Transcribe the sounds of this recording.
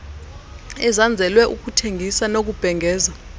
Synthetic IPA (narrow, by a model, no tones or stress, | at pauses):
ɛzand͡zʱɛlwɛʔuk̬ʼutʰeŋɡʱisanok̬ub̥ʱɛŋɛːza